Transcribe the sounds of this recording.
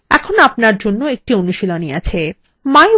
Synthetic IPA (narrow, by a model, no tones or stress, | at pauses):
ɛ̰kʰonapnaɾd͡ʑonːoek̚ʈionuʃiloniat͡ɕʰe | ma